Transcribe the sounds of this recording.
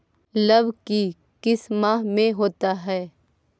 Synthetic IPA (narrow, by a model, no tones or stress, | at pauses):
ləbki | kɪsmamẽɦoːt̪aɦɛː